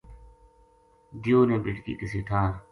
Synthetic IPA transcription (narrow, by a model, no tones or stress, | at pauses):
d̪ɪjoːnẽːbɪʈkḭːkɪsiːt̪ʰaːɾ